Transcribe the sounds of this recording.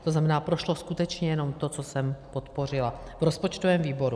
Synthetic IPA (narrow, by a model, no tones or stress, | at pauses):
t̪oznamɛnaːpɾoʃloskut̪ɛt͡ʃɲɛjɛno̞mt̪o̞t͡sosɛmpo̞t̪po̞r̝ɪla | vɾo̞spo̞t͡ʃt̪ovɛːmviːbo̞ɾu